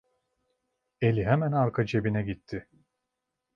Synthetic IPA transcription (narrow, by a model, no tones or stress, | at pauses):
e̞lʲiɦɛmænaɾkʰad͡ʒe̞binɛɟit̪ʰːɪ